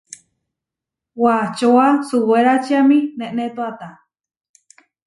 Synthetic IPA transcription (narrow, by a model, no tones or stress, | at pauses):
wat͡ʃoasuweɾat͡ʃiamĩnẽʔnet̪uat̪a